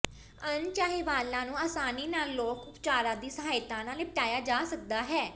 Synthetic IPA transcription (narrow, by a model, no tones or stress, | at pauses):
ənt͡ʃaːɦeːʋaːlːãːnũːaːsaːniːnaːlːoːkʊpt͡ʃaːɾãːd̪iːsəɦaːjt̪ãːnãːlẽːpəʈaːjaːd͡ʒaːsək̚d̪aːɦɛː